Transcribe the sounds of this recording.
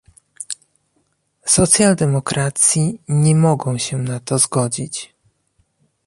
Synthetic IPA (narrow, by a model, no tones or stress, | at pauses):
sɔt̪sʲjald̪ɛmɔkɾat̪sʲjiɲɛmɔɡɔ̃w̃ɕɛnat̪ɔzɡɔd͡ʑit͡ɕ